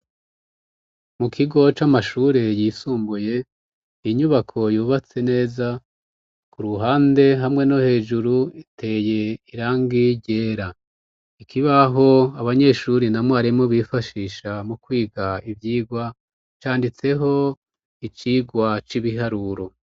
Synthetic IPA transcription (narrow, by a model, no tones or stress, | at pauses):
mukʰiɡo̞t͡ʃamaʃuːɾe̞jiːsuːmbuje̞ | iɲuβakʰo̞juːβat͡se̞ne̞ːza | kuɾuɦaːnde̞ɦamŋe̞no̞he̞ːʒuɾuitʰe̞ːje̞iɾaːŋɡiɟe̞ːɾa | ikʰiβaɦo̞aβaɲe̞ʃuːɾinamwaːɾimo̞βifaʃiːʃamukwiːɡaivjiːɡwa | t͡ʃaːndit͡se̞ɦo̞ | it͡ʃiːɡwat͡ʃiβiɦaɾuɾo̞